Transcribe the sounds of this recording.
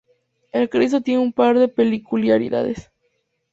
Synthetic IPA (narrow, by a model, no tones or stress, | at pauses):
elkɾis̬ot̪jeneumpaɾðe̞pe̞likuljaɾḭða̰ðes